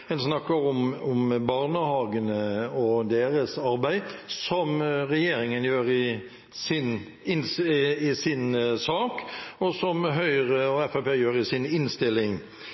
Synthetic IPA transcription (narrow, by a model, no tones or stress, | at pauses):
ɛnsnɑkːəɾʊmɔmbɑɾnəhɑːɡənəɔd̪eːɾəsɑɾbæɪsɔmɾɛjeːɾɪŋənjøːɾɪ | sɪn | ɪnsɪsɪnsɑːkɔsɔmɦœʏɾəɔɛfæpeːjøːɾɪsɪnɪnst̪ɪlːɪŋ